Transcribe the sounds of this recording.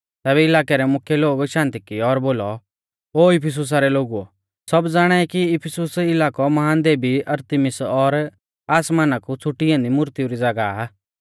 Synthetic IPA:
t̪ɛːβɛɪlaːkɛɾɛmʊkʰjeloːɡʃãːnt̪ikɪjɔːɾboːlɔ | oːɪpʰɪs̬ʊs̬aɾɛloːɡuɔ̰ | sɔbd͡zaːɽ̃aɛkiɪpʰɪsʊsɪlaːkɔmɐɦaːnd̪eːbiʔɐɾt̪imɪsɔɾ | aːsmaːnakut͡sʰʊʈːiãːnd̪imʊɾt̪iuɾid͡zɐɡaa

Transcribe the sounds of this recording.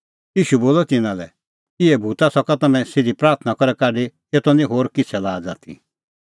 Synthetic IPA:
jiːʃuboːlɔt̪ɪnãlɛ̰ | ɪɛbʱuːt̪asɔkat̪ɐmɛ̃sɪd̪ipɾaːɾt̪ʰnakɔɾɛkaːɖe | eːt̪ɔnĩɦoːɾkɪt͡sʰɛlaːd͡zaːt̪ʰḭ

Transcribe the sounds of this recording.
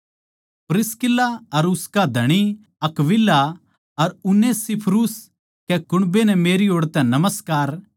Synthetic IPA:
pɾɪskɪlːaɐɾʊskad̪ʱɐɽ̃i | ɐkʋɪlːa | ɐɾʊnːesipʰɾuːs | kɛkʊɽ̃benɛmeːɾioːɽt̪ɛ̃nɐməskaːɾ

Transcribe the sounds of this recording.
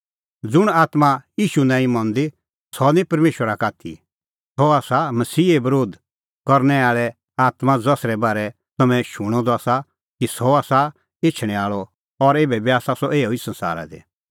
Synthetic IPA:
d͡zʊɽ̃aːt̪maiːʃunãːĩmɔ̃nd̪i | sɔnĩpɐɾmeːʃwəɾakaːt̪ʰḭ | sɔaːsamɐsiːebɐɾoːd̪ | kɐɾnɛaːɭɛ | aːt̪mãd͡zɐsɾɛbaːɾɛ | t̪ɐmɛ̃ʃʊɽ̃ɔ̃d̪ɔaːsa | kisɔaːsa | et͡ʃʰɽ̃ɛ̃aːɭɔ | ɔɾeːbɛbiaːsasɔʔeːoisɐ̃nsa̰ːɾa̰d̪ḛ

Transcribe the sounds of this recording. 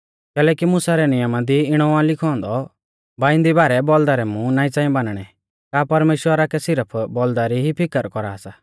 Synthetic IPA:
kɛːlɛːkimʊsaɾɛnɪjəmad̪iɪɽ̃ɔãlɪkʰɔ̃ːnd̪ɔ | baːɪ̃nd̪ibaːɾɛbɔld̪aɾɛmũnãːĩt͡sãːĩbanɽ̃ɛ | kaːpɐɾmeːʃwəɾakɛsɪɾəpʰbɔld̪aɾiɦipʰɪkəɾkɔɾaːsaː

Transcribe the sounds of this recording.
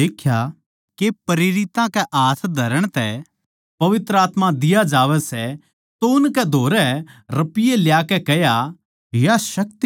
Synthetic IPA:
eːkʰja | kepɐɾeːɾɪt̪ãkɛʔaːsʰd̪ʱɐɾəɽ̃t̪ɛ | pɐʋɪt̪ɾəaːt̪mãd̪ɪjad͡ʒaːʋɛsɛ | t̪oːnkɛd̪ʱoːɾɛɾɐpɪjeljaːkɛkɛja | jaʃɐkt̪i

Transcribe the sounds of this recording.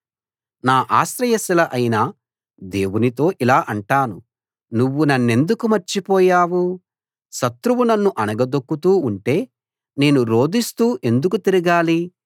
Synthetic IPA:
naːʔaːsɾɐjɐsilɐʔɐjinaː | d̪e̞ːwunit̪o̞ːʔilaːʔɐɳʈaːnṵ | nuʋːunɐnːe̞nd̪ukumɐɾt͡ʃipɔːjaːwu | ʃɐt̪ɾuʋunɐnːuʔɐnɐɡɐd̪okːut̪uːɳʈe̞ː | ne̞ːnuɾo̞ːd̪ist̪uːʔe̞nd̪uk̬ut̪iɾiɡaːli

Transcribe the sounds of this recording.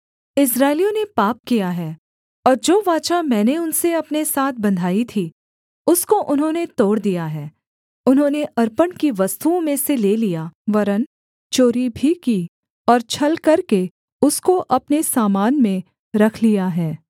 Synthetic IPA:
ɪsɾaːɪlijõnepaːp̚kijaɦɛː | ɔːɾd͡ʒoːʋaːt͡ʃamɛ̃ːneʊnseɐpnesaːt̪̚ʰbɐ̃nd̪ʱaːit̪ʰi | ʊskoʔʊnɦõnet̪oːɽd̪ijaɦɛː | ʊnɦõːneʔɐɾpənkiʋɐst̪uõmẽseleːlijaʋɐɾən | t͡ʃoːɾibʱikiː | ɔːɾt͡ʃʰɐlkɐɾke | ʊskoʔɐpnesaːmaːnmẽ | ɾɐkʰlijaɦɛː

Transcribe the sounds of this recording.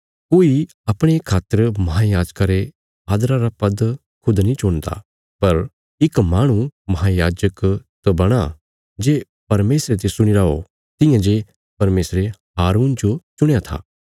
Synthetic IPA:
koːi | ɐpɽ̃ekʰaːt̪ːəɾmɐɦajaːd͡ʒkaɾe | aːd̪ɾaɾapɐd̪ | kʰʊd̪nĩt͡ʃoːnd̪a̰ | pɐɾ | ɪkmaːɽ̃ũmɐɦajaːd͡ʒəkt̪obɐɽ̃a | d͡ʒeː | pɐɾmeːsɾet̪esʊɽ̃ɪɾao | t̪ɪ̃jãd͡ʒeː | pɐɾmeːsɾeɦaːɾuːnd͡ʒot͡ʃʊɽ̃jat̪ʰa̰ː

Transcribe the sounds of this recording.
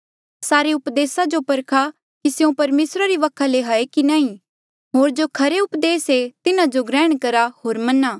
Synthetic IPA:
saːɾeʊpd̪eːsad͡ʒopɐɾkʰa | kisjũpɐɾmeːsɾaɾiʋɐkʰaleɦaekinãːĩ | ɦoːɾd͡ʒokʰɐɾeʊpd̪eːset̪ɪnãd͡ʒoɡɾɛ̃ːɽ̃kɐɾaɦoːɾmɐnaː

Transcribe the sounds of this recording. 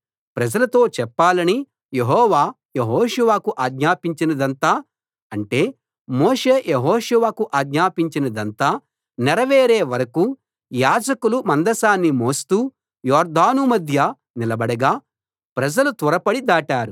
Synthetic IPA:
pɾɐd͡ʒɐlɐt̪o̞ːt͡ʃɛpːaːlɐni | jeɦɔːʋaː | jeɦɔːʂuʋaːkuʔaːɡɲaːpiɲt͡ʃinɐd̪ɐnt̪aː | ɐɳʈe̞ː | moːʂe̞ːjeɦɔːʂuʋaːkuʔaːɡɲaːpiɲt͡ʃinɐd̪ɐnt̪aː | nɛɾɐʋeːɾeːʋɐɾɐku | jaːd͡ʒɐkulumɐnd̪ɐsaːnːimo̞ːst̪uː | jɔːɾd̪aːnumɐd̪ʱjɐ | nilɐbɐɽɐɡaː | pɾɐd͡ʒɐlut̪ɔɾɐpɐɽid̪aːʈaːɾu

